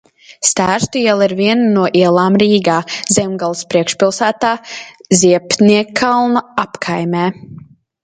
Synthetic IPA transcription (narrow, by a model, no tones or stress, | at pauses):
st̪æːɾst̪uiɛlˠiɾviɛnnuɔʔiɛlˠaːmɾiːɡaːzʲɛmɡalˠspɾiɛkʃpʲilˠsæːt̪aːzʲiɛpniɛkʰːalˠnɔapkʰajmʲɛː